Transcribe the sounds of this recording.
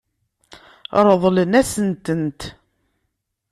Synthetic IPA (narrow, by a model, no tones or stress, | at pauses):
ɾˤəðˤlənæsənt̪ənt̪